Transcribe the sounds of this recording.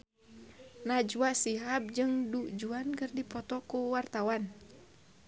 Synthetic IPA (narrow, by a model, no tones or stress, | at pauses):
nad͡ʒuwasiɦap̚d͡ʒɨŋdud͡ʒuankɨrdipɔt̪ɔkuwart̪awan